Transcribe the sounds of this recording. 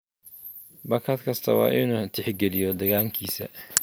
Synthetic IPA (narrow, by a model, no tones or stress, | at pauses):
bɐkʰɐd̪kʰɐst̪ʰɐwɑ̰ːʔɪnuːt̪ʰɪħɡɛlɪjɔd̪ɐɣaːŋkʰiːsɐ̰